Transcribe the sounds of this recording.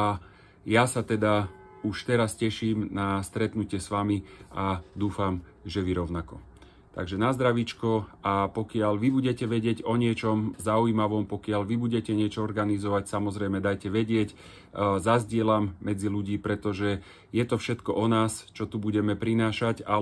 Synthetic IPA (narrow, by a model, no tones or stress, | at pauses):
a | jasat̪ɛd̪a | uʃt̪ɛɾascɛʃiːmnast̪ɾɛt̪nucɪɛsʋamiʔad̪uːfam | ʒɛʋiɾɔʊnakɔ | t̪a̰ɡʒɛnazd̪ɾaʋit͡ʃkɔapɔkɪaʎʋibuɟɛcɛʋɛɟɪɛɟɔɲɪɛt͡ʃɔmzauiːmaʋɔmpɔkɪaʎʋibuɟɛcɛɲɪɛt͡ʃɔɔɾɡanizɔʋacsamɔzɾɛjmɛd̪ajcɛʋɛɟɪɛc | zazɟɪɛlamːɛd͡ziluɟiːpɾɛt̪ɔʒɛ | jɛt̪ɔfʃɛt̪kɔʔɔnaːst͡ʃɔt̪ubuɟɛmɛpɾinaːʃaca